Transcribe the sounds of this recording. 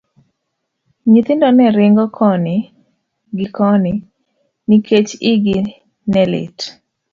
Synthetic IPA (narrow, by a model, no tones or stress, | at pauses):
ɲit̪ɪndɔnɛɾɪŋɡɔkʰɔnɪ | ɡɪkɔnɪ | nikʰet͡ʃɪɡɪ | nɛlɪ̰t